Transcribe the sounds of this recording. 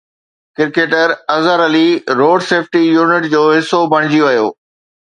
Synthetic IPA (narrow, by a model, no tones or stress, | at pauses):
kɪɾkeːʈəɾɐzəɾɐliɾoːɖseːfʰʈijuːnɪʈd͡ʑoːɦɪsːobʱɐɽ̃ɪd͡ʑiʋɐjo̰ː